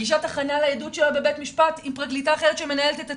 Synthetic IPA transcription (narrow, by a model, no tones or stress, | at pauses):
iʃataχanalajedutʃe̞labe̞betmiʃpatimpʁaɡlitaːχe̞ʁet̪ʃe̞me̞nae̞let̪et̪a